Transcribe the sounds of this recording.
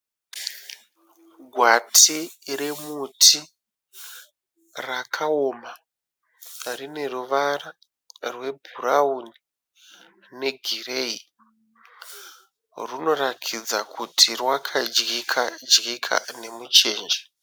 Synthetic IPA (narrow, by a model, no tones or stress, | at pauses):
ɡʱwatʰiɾe̞mutʰi | rakʰaoma | rine̞ruʋara | rwe̞bʱurauni | ne̞ɡʱire̞i | runo̞rakʰid͡zakutʰirwakʰad͡ʒɡikʰad͡ʒɡikʰa̰ne̞mut͡ʃe̞ːnd͡ʒe